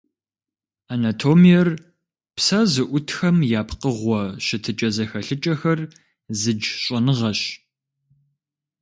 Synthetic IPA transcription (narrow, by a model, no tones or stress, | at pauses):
aːnatʰoːmijɛr | psazɨʔʷʊtʰxɐmjaːpqəʁʷɔʃɪtʰɨt͡ʃʼɐzɐxɐɬɨt͡ʃʼɐxɐr | zɨd͡ʒɕʼɔnɨʁɐɕ